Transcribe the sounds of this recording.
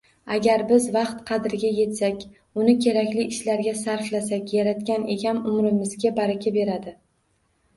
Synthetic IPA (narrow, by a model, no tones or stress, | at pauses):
aɡʲaɾbɪzvɑqt̪qʰɑd̪ɪɾɪɡʲaje̞t̪sakʲ | ʊnɪkʲʰe̞ɾakʲlɪɪʃlaɾɡʲasaɾflasakʲjaɾat̪kʲane̞ɡʲamʊmɾɪmɪzɡʲabaɾakʲʰabe̞ɾad̪ɪ